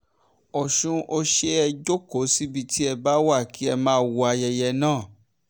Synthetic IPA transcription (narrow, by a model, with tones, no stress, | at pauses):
ɔ˨ʃũ˧ʔo˧ʃe˦ɛ˧d͡ʒo˦ko˨˦si˦bi˧tʰi˦ɛ˧ba˨˦wa˦˨ki˨˦ɛ˧mãː˦˧˦wo˧a˧jɛ˧jɛ˧nãː˦˨